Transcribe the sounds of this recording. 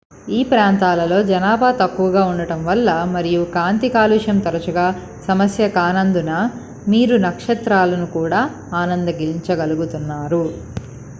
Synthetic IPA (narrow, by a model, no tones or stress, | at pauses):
iːpɾaːnt̪aːlɐlo̞ːd͡ʒɐnaːbʱaːt̪ɐkːuʋɐɡaːuɳɖɐʈɐmʋɐlːɐmɐɾijukaːnt̪ikaːluːʂɐmt̪ɐɾɐt͡ʃuɡaː | sɐmɐsjɐkaːnɐnd̪unɐ | miːɾunɐkʂɐt̪ɾaːlɐnukuːɽaː | aːnɐnd̪ɐɡiliɲt͡ʃɐɡɐluɡut̪unːaːɾu